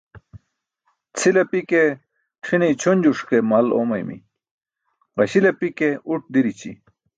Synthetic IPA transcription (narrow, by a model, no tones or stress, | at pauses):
t͡sʰilɐpike | ʈ͡ʂʰinijt͡ɕʰond͡ʑuʂkemɐlo̰mɐjmḭ | ʁɐɕilɐpikeuʈ̚d̪iɾit͡ɕḭ